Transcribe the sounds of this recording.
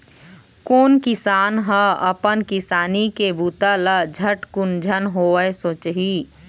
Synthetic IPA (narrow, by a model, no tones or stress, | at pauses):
koːnkɪsaːnɦə̃əpənkɪsaːnikebuːt̪alad͡ʒʱəʈkʊnd͡ʒʱənɦoəesoːt͡ʃɦiː